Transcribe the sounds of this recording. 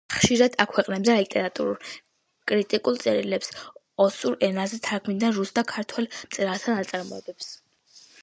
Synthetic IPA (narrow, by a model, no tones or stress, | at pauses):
χʃiɾad̪akʰwɛqʼnɛbzɛlit̪ʼɛɾat̪ʼṵɾul | kʼɾit̪ʼikʼulˠt̪sʼɛɾilɛps | ɔsuɾɛnazɛt̪ʰaɾkʰmid̪anɾusd̪ʰakʰaɾt̪ʰwɛlmt̪ʼɛɾalˠt̪ʰanat̪sʼaɾmɔɛbɛps